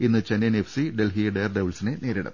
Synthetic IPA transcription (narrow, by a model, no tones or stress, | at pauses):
inːɨt͡ɕenenefsiɖe̞lɦijɐɖeːrɖeʋlsineneːɾiɽɐ̰m